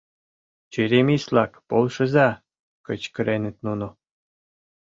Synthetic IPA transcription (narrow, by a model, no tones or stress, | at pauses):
t͡ɕeɾʲemislɑkpolˠʃɤ̆ə̆zɑ | kət͡ɕkə̆ɾenet̪̚nuno